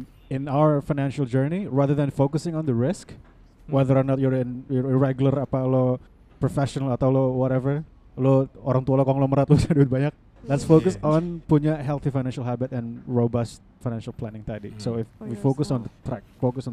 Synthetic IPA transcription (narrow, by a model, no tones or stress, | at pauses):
ɪ̃nawəɹfajnɛ̃nʃald͡ʒəɹniɹaðəðɛ̃nfokʊsɪ̃ŋɔ̃nd̪əɹɪsk | wɛðəɾɔnɔt̪̚jɔɹɪnjɔiɹɛɡuləɾapalɔ | pɾofɛʃɔnalat̪awlɔwɔɾɛvər | lɔoɾaŋt̪ualokɔŋlɔməɾat̪̚lʊsaduɪt̪̚baɲak̚ | lɛt̪sfokʊsɔnpuɲaɦɛlˠθifajnɛ̃nʃalɦabɪt̪ɛ̃nɹobast̪̚fajnɛ̃nʃalplɛnɪ̃ŋt̪adḭsoɪfwifokʊsɔ̃ndət̪ɾɛk̚fokʊsɔ̃n